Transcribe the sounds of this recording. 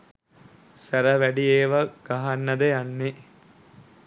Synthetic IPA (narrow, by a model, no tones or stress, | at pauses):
sæɾɐʋæɖieːʋɐɡ̥aɦɐnːɐd̪ejanːe